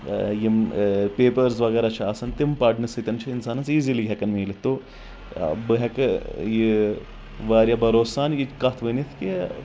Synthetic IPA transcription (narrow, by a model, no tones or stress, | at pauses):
jimpeːpɐɾs̬ʋɐɡeːɾat͡ʃʰaːsɐnt̪impaːɖnɨsɨt̪ʲɐnt͡ʃʰiinsaːnɐsiːziliɡʲɛkɐnmiːlɨt̪ːo | bɨɦɛkɨji | ʋaːɾjɐbɐɾoːsaːnit͡ʃkɐt̪ʰʋɨnit̪ʰki